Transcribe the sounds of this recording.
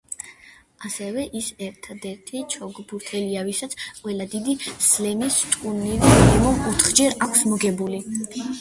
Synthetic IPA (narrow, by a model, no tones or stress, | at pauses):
asɛvɛʔisɛɾt̪ʰad̪ɛɾt̪ʰit͡ʃʰɔɡbuɾt̪ʰɛliavisat̪sʰqʼwɛlad̪id̪islɛmist̪ʼkʼunivinɛmɔmɔt̪ʰχd͡ʒɛɾakʷʰsmɔɡɛbuli